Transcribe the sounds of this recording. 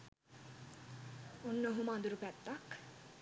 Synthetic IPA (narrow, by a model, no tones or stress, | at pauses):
onːəɦumand̪uɾupɛt̪ːak